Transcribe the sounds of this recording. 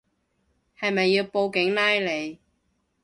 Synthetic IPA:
hɐ˨jmɐ˨jːiː˧wpo˧wkɪ˨˥ŋnaː˥jle˨˧j

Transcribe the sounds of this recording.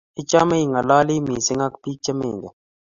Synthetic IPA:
i˦t͡ʃa˦mɐ˦iŋɐ˨laː˦liː˦miː˨sɪ˦ŋa˦kpiːk̚t͡ʃɐ˦mḛːŋɡe˨

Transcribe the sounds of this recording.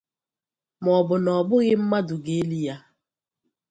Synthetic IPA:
mɔ˨bʊ˨nɔ˨bʊ˦ɣɪ˦m̩˦ma˦dʊ˨ɡe˨˦li˦ja˦

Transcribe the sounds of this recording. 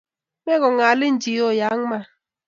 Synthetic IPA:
me˦ɣɔ˨ŋa˨lɪ˦n̩˨d͡ʒi˨jo˦˨ja˨˦ŋ˦ma˦˨

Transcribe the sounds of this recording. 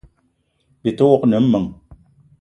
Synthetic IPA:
bi˨to˦knɨ˨m̩˦mɨ˨ŋ

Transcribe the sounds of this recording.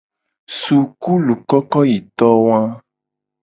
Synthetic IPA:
su˨ku˦lu˨kɔ˦kɔ˦ji˨t̪ɔ˦wã˦

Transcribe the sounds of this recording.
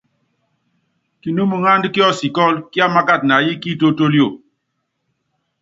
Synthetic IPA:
ki˨nu˦mu˨ŋa˦ndki˦ɔ˦si˨kɔ˦lki˦a˦ma˦ka˦˨t̚na˨ji˦ki˦to˦to˦ljo˦˨

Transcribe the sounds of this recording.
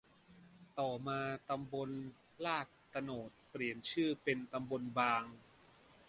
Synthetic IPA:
t̪ɔː˨˩maː˧t̪a˧mbo˧n | laː˥˩k̚t̪a˧noː˨˩t̪̚pɾi˨˩ənt͡ɕʰɯː˥˩pe˧nt̪a˧mbo˧nbaː˧ŋ

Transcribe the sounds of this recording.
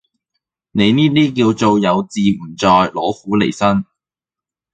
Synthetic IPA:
ne˨˧jniː˥t̪iː˥k̬iː˧wt͡so˨wjɐ˨˧wt͡siː˨m̩˨˩t͡sɔː˨˧jlɔː˨˥huː˨˥lḛ˨˩jsɐ˥n

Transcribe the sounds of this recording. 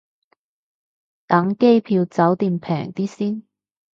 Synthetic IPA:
t̪ɐ˨˥ŋke˥jpʰiː˧wt͡sɐ˨˥wt̪iː˨˧mpʰɛ̰ː˨˩ŋt̪iː˥siː˥˩n

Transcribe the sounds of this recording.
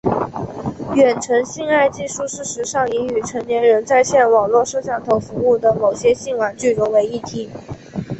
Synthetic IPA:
ɥɛ˨˩nʈ͡ʂʰɤ˧˥ŋɕi˥˧ŋa˥˧ɪt͡ɕi˥˧ʂu˥˧ʂɻ̩˥˧ʂɻ̩˧˥ʂɑ˥˩ŋi˧˥ny˨˩ʈ͡ʂʰɤ˧˥ŋnjɛ˧˥nɻə˧˥nt͡sa˥˧ɪɕjɛ˥˩nwɑ˨˩ŋlwɔ˥˧ʂɤ˥˧ɕjɑ˥˩ŋt̪ʰo˧˥ʊfu˧˥u˥˩d̪ə˩mo˨˩ʊɕjɛ˥ɕi˥˩ŋwa˨˩nt͡ɕy˥˩ɻʊ˧˥ŋwe˧˥ɪi˥˩t̪ʰi˧˥

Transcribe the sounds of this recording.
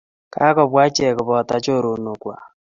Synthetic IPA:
ka˦kɔ˨βwaː˦t͡ʃe˦ɛ˨ko˨βɔ˨ta˨t͡ʃo˦ɾo˨no˨kwa̰˨

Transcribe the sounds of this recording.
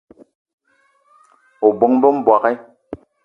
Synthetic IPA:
o˨bo˦ŋbo˦m̩˦bwa˨kɛ˦

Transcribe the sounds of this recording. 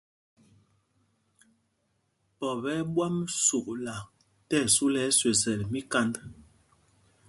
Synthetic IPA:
pɔ˨βɛ˨˦ɓwa˦msu˨ʔla˨ | tɛ˦˨su˦lɛ˦swe˨zɛ˨lmi˦ka˦nd

